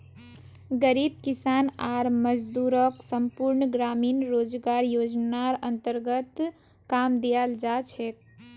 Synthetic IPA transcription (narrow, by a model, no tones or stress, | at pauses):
ɡəɾib̚kisanaɾməd͡ʒd̪uɾəksəmpuɾnɡɾaminɾod͡ʒɡaɾjod͡ʒnaɾənt̪əɾɡət̪ | kamd̪ijald͡ʒat͡ʃʰɛ